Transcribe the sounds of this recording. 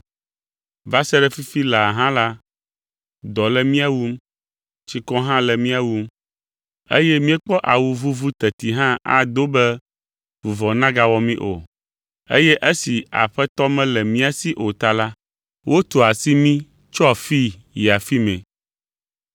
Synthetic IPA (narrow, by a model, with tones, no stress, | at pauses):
va˦sɛ˦ɖɛ˦fi˦fi˦la˨ɦã˦la˦ | d̪ɔ˨lɛ˦mĩ˦a˦wu˦m | t͡ʃi˨kɔ˦ɦã˦lɛ˨mĩ˦a˨wu˦m | ḛ˦jɛ˦mĩ˦ɛ˦k͡pɔ˦ʔa˨wu˨vu˦vu˦t̪ɛ˨t̪i˨ɦã˦a̰˨d̪o˦bɛ˦ | vu˨vɔ˨nã˦ɡa˦wɔ˦mĩ˦ʔo̰˨ | ḛ˦jɛ˦ʔe˦si˨a̰˨ɸɛ˦t̪ɔ˦mɛ̃˦lɛ˨mĩ˦a˨si˦ʔo˨t̪a˨la˦ | wʔo˦t̪o˨a˨si˦mĩ˦ | t͡ʃɔ˦a˨fi˦ | ji˨a˨fi˦mɛ̰̃˨